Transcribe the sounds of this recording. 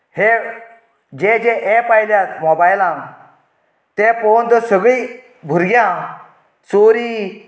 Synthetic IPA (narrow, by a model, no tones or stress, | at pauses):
he | d͡ʑẽd͡ʑeʔepajljat̪mɔbajlãŋ | t̪ẽpɔnt̪ɔsəɡɭi | bʱuɾɡjã | soɾiː